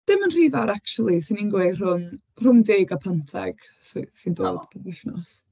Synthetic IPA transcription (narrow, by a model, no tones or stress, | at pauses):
d̥ɪmənr̥iːvaɾakt͡ʃulˠisɪniŋɡwer̥ʊm | r̥ʊmdeːɡapʰantʰɛ̰ɡ̥ | ssindo̰ːd̥pʰəbɪɬnɔs